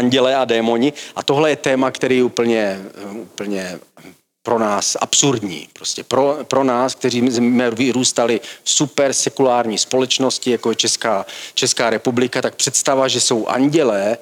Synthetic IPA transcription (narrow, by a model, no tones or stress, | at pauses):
aɲɟɛlɛːʔadɛːmo̞ɲɪʔat̪oɦlɛjɛt̪ɛːmakt̪ɛɾiːjɛupl̩ɲɛupl̩ɲɛ | pɾo̞naːsʔa̰psuɾdɲḭːpɾoscɛpɾopɾo̞naːsk̚t̪ɛɾiːmɛvɪɾuːst̪alɪfsupɛɾsɛkulaːɾɲiːspo̞lɛt͡ʃno̞scɪjakojɛt͡ʃɛskaːt͡ʃɛskaːɾɛpublɪkat̪ak̚pr̥ɛt̪st̪avaʒɛso̞wʔa̰ɲɟɛlɛː